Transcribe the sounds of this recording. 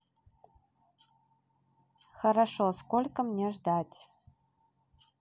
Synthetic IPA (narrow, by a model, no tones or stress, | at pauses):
xəɾaʂoskolʲkəmnʲeʐd̪atʲ